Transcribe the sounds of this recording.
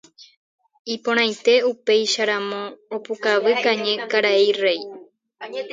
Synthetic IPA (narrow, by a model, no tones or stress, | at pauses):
ipõɾ̃ãjt̪e̞upe̞jʃaɾamõ̞ːpukaʋɨkãɲẽ̞kaɾaejre̞j